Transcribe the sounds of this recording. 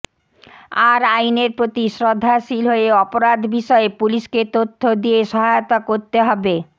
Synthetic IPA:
aɾajneɾpɾot̪iʃɾod̪ʱːaʃilɦoeɔpoɾad̪ʱbiʃɔepuliʃket̪ot̪ʰːod̪ijeʃɔɦaot̪akoɾt̪eɦɔbe

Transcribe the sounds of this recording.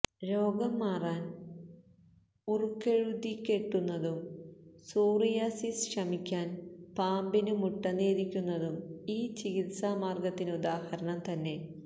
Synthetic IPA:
ɾo̞ːɡɐmːaːraːn | urukːeɻud̪ikʲːe̞ʈːunːɐðumsuːrijaːsisʂɐmikʲːaːnpaːmbinumuʈːɐneːðikʲːunːɐðumiːt͡ɕiɡit̪samaːrɡɐt̪ːinud̪aːhɐɾɐɳɐmt̪ɐnːe̞

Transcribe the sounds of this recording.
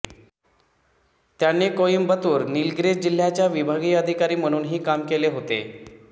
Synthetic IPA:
t̪janːekojimbət̪uːɾnilɡɾed͡ʑd͡ʑil̤jat͡ɕjaʋibʱaɡiːəd̪ʱikaɾiːm̤əɽ̃uːnɦiːkamkeleɦot̪ḛ

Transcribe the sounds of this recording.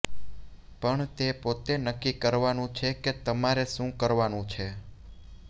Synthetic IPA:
pəɳt̪epot̪enəkːikəɾʋanũt͡ʃʰeket̪əmaɾeʃũkəɾʋanũt͡ʃʰe

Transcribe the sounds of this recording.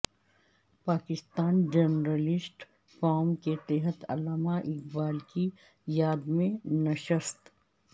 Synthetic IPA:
paːkɪst̪aːnd͡ʒenɾəlɪsʈ | faːɾmket̪ɛɦət̪ɐ̰laːmaʔɪkbaːlki | jaːd̪mẽnɐʃəst̪

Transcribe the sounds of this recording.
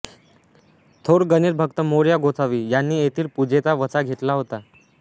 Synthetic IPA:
t̪ʰoɽɡəniːɾbʱəkt̪əmoɽjaɡʱot͡sʰaʋiːjanːiːet̪ʰiːlpud͡ʑet͡saʋət͡saɡʱet̪laɦot̪a

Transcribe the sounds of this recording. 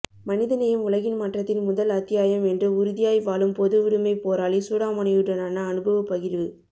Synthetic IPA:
mɐnɪðɐnɐjɐmʊlɐɣɪnmaːʈrɐt̪ːɪnmʊðɐlɐt̪ːɪjaːjɐmɛndrɯʊɾʊðɪjaːjʋaːlɯmpɔðɯʋɪɾɯmɐɪpoːɾaːlisuːɽaːmɐɳɐjɯɽɐnɐnɐːnɯbɐʋɐpːɐɣɪɾʋɯ

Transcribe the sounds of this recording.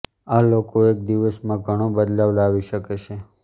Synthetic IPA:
alokoek̚d̪iʋəsmãɡʱəɽ̃õbəd̪laʋlaʋiʃəket͡ʃʰe

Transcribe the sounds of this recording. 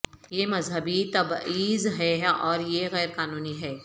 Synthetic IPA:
jemɐzɦəbit̪ɐbiːzɦɛɔːɾjeɣɛːɾqaːnuːniɦɛː

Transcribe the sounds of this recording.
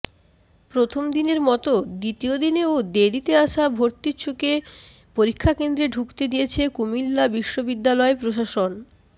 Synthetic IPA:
pɾot̪ʰomd̪ineɾmɔt̪od̪it̪iod̪ineod̪ed̪it̪eaʃabʱoɾt̪it͡ɕʰuke | poɾikʰːakend̪ɾeɖʱukt̪ed̪ijet͡ɕʰekumilːabiʃːobid̪ːalɔepɾoʃ̬aʃon

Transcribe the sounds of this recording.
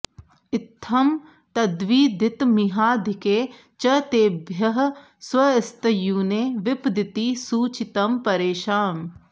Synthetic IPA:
ɪt̪ʰːɐm | t̪ɐd̪ʋiːd̪ɪt̪miɦaːd̪ʱɪkeː | t͡ʃɐt̪eːbʱjɐɦ | swɐɪst̪əjuːneːʋɪpd̪ɪt̪iːsuːt͡ʃɪt̪ɐmpɐɾeːʃaːm

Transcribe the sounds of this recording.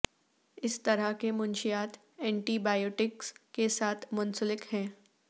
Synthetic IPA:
ɪst̪ɐɾəɦkemʊnʃijaːt̪ | ɛ̃ːɳʈiːbaːjoːʈɪkskesaːt̪ʰmʊ̃nsəlɪkhɛ̃ː

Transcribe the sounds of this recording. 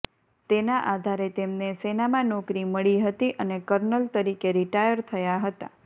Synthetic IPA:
t̪enaʔad̪ʱaɾet̪emnesenamãnɔkɾiməɭiɦət̪iʔənekəɾnəlt̪əɾikeɾiʈajəɾt̪ʰəjaɦət̪a̰

